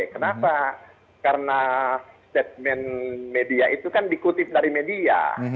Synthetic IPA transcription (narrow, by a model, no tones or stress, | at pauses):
kənapa | kaɾənast̪ɛt̪̚mɛnmediaʔit̪ukandikut̪ɪf̚daɾimedia̰